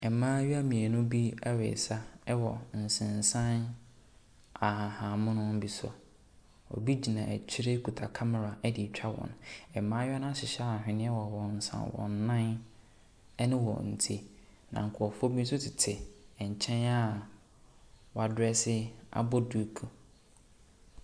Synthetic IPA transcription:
ɛ˨mãː˦ɥi˦a˦mĩ˨e˨nʊ̃˦bi˦a˦ɥḛ˨sa˦ɛ˦wɔ˨n̩˨sɪ̃˨n˨sã˦n | a˨hã˨hã˨mʊ̃˦nʊ̃˦m̩˦bi˨sɔ̰˨ | ɔ̰˨bi˦d͡ʑi˨nã˨æ̰˨t͡ɕʰi˦ɾe˦kʰu˨tʰa˨kʰa˦mɛ˨ɾa˨ɛ˦dɪ˨t͡ɕᶣʰa˦wɔ̰̃˨nɛ˨mãː˦jnã˦ɕɪ˨ɕa˦˨hᶣɪ̃˨nɪ̃˦ɛ˦wɔ˨wɔ̃˨n̩˨sã̰˨wɔ̰̃˨nːã˦n˦ | nɪ̃˦wɔ̰˨n̩˨tʰi˦nã̰˨ŋ̩˨kʰʊ˨ɔ˨fʊ˦o˦bĩ˦n̩˦sʊ˦tʰɪ˨tʰɪ˨ɲ̩˨t͡ɕʰɛ̃˦na˦ | wɔ˨a˨dʊ˦ɛ˦sɪ˦a̰˦bɔ˦du˦˨kʰu˨

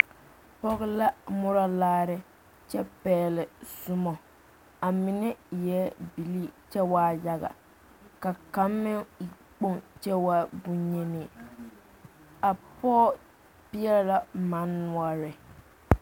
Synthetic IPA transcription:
pɔ˦ɣɪ˦la˦mʊ˦ɾa˦laː˦ɾɪ˦ | t͡ʃɛ˦pɛː˨lɪ˨sʊ˦mɔ˨ | a˨mɪ˨nɛ˦jɛ˦bi˨li˦t͡ʃɛ˦wa˦ja˦ɣa̰˨ | ka˨ka˨˦mːɪ˦˨ | k͡po˦ŋt͡ʃɛ˦wa˦bʊ˦ɲe˦nɪ˨ | a˨pɔː˦ | pɪ˦ɛ˦la˦ma˨˦nːʊ˦a˦ɾɪ˨

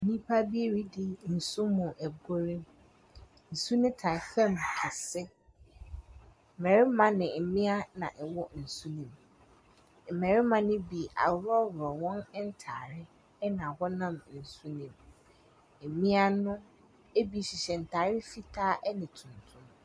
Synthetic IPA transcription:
nĩ˦pʰa˦bi˦e˦ɾi˦dɪ˦n̩˨su˦mʊ̃˨ʔɛ˨ɡo˦ɾĩ˦m | n̩˨su˦nɪ̃˦tʰa˨fɛ̃˦˨ma˨sɪ˦ | m̩˨mɛ˨ɾɪ˦mã˨nɪ̃˨m̩˨mɪ̃˦a˦nã̰˨ʔɛ˨wɔ˦n̩˨su˦nĩ˨m | m̩˨mɛ˨ɾɪ˦mã˨nɪ̃˦bi˨ʔa̰˨wɾɔ˦wɾɔ˨wɔ̃˦n˦n̩˦tʰa̰ː˨ɾɪ˦ | ɛ˦nã˨a˨hɔ˦nã˦˨m˨n̩˨su˦nĩ˨m̩˨ | mĩ˦a˦nʊ̃˦ | e˦bi˨˦ɕi˨ɕɛ˨n̩˨tʰaː˨ɾɪ˦fi˦tʰaː˦ʔɛ˦nɪ̃˨tʰʊ̃˨ntʰʊ̃˦m

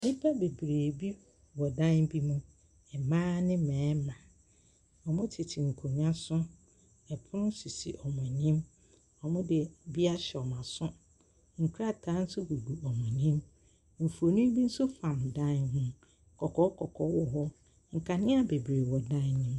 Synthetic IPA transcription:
nĩ˦pʰa˦be˨bɾeː˨bi˦ | wɔ˨dã˦nbi˦mũ˦ | ɛ˨mãː˦nɪ̃˦mɛ̃ː˨˦mã˨ | ɔ˨mʊ̃˦tʰɪ˨tʰɪ˨ŋ̩˨kʰu˨ɲã˦sʊ̃˦ | ɛ˨pʰʊ˦nʊ̃˦si˨sḭ˨ʔɔ˨m˨ɔ̃˨ɲĩ˦m | ɔ˨mʊ̃˦dɪ˨bi˦a˦ɕɛ˨ɔ˨mã˨sʊ̃˦ | ŋ̩˨kʰu˦ɾa˦˨tʰa˦n̩˦sʊ˦ɡu˨ɡu˨ɔ˨mɔ̃˨ɲĩ˦m | m̩˨fu˨o˨nũ˦bi˦n̩˦sʊ˦fã˨mdã˦nɦʊ̃˦ | kʰɔ˨kʰɔ˦kʰɔ˨kʰɔ˦wɔ˨ɦɔ˦ | ŋ̩˨kʰa˨nɪ̃˦a˨be˨bɾe˨wɔ˨dã˦nɪ̃˦m˦

